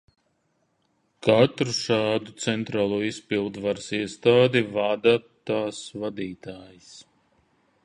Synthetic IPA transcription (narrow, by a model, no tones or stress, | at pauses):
kat̪ɾuʃaːd̪ut̪sɛnt̪ɾaːlˠuːispilˠd̪vaɾsiɛst̪aːd̪ivad̪a | t̪aːsvad̪iːt̪aːjis